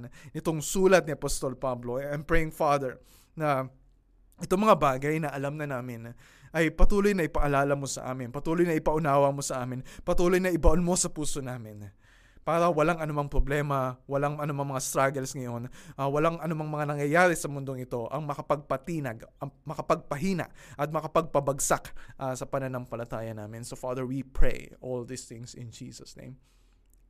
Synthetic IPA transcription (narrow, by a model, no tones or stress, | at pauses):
nnɪt̪o̞ŋsuːlɐt̪̚nɪʔɐpost̪o̞lpablo̞ɛnpɹɛjɪŋfad̪ɛɹ | nɐ | ʔɪt̪oŋmɐŋabaːɡɐjnɐʔɐlamnɐnaːmɪn | ʔɐjpɐt̪uːlo̞jnɐʔɪpɐʔɐlaːlɐmo̞sɐ̰ʔa̰ːmɪnpɐt̪uːlojnɐɪpɐʔʊnaːwɐmo̞sɐʔaːmɪnpɐt̪uːlo̞jnɐʔɪbɐʔolmo̞sɐpuːso̞naːmɪn | paːɾɐwɐlaŋɐnʊmɐŋpɾoblɛːmɐwɐlaŋɐnʊmaŋmɐŋast̪ɾaɡɛlsŋɐjo̞nʔawɐlaŋʔɐnʊmaŋmɐŋanɐŋjɐjaːɾɛsɐmʊnd̪o̞ŋɪt̪o̞ʔɐŋmɐkɐpɐɡ̚pɐt̪iːnɐɡɐmɐkɐpɐɡ̚pɐɦiːnɐ̰ʔʔɐt̪̚mɐkɐpɐɡ̚pɐbɐɡsakʔɐsɐpɐnɐnɐŋpɐlɐt̪aːjɐnaːmɪnsofaːd̪ɛɹwipɹḛjʔold̪ɪsθɪ̃ŋsɪ̰nd͡ʒḭːsɐsnḛjm